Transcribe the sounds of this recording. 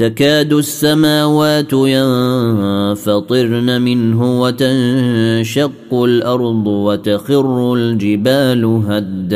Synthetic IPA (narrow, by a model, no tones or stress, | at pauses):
t̪akaːd̪ʊsːamaːwaːt̪jan | fɑt̪ˤɨɾnamɪnɦʊwat̪anʃɑqːʊlʔɑɾˤd̪ˤwat̪axɪrːʊld͡ʒɪbaːlʊɦad̪ː